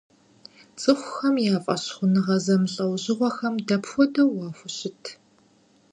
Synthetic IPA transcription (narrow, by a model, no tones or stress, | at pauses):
t͡sʼɨχʷʊxɐmjaːfʼɐ̰ɕχʷʊnɨʁɐzɐmɨɬʼɐwʑɪʁʷɔxɐmdɐpxʷɔdɐwwɑːxʷʊɕɪtʰ